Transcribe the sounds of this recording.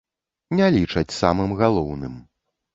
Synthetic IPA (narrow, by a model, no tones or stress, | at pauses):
nʲalʲit͡ʂɐt͡sʲsamɨmɣalˠɔwnɨm